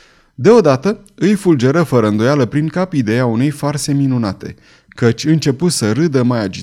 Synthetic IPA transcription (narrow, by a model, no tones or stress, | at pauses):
d̪e̞o̞d̪at̪ə | ɨjfuld͡ʒe̞ɾəfəɾəɨnd̪o̞jaləpɾiŋkapid̪e̞jaune̞jfarse̞minuna̰t̪e̞̰ | kət͡ʃʲɨnt͡ʃe̞put̪səɾɨd̪əmajad͡ʒi